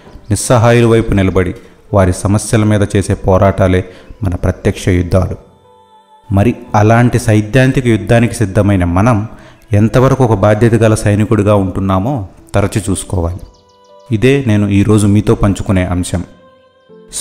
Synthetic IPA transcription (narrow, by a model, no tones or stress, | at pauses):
nisːɐɦaːjulɐʋɐjpunilɐbɐɽi | ʋaːɾisɐmɐsjɐlɐmiːd̪ɐt͡ʃe̞ːse̞ːpɔːɾaːʈaːle̞ːmɐnɐpɾɐt̪jɐkʂɐjud̪ʱːaːlu | mɐɾiɐlaːɳʈisɐjd̪ʱjaːnt̪ikɐjud̪ʱːaːnikisid̪ʱːɐmɐjnɐmɐnɐm | ɛnt̪ɐʋɐɾɐkuɔkɐbaːd̪ʱjɐt̪ɐɡalɐsɐjnikuɽuɡaːuɳʈunːaːmo̞ːt̪ɐɾɐt͡ʃit͡ʃuːsu̥kɔːʋaːli | id̪e̞ːne̞ːnuiːɾo̞ːd͡ʒumiːt̪o̞ːpɐɲt͡ʃu̥kune̞ːʔɐmʃɐm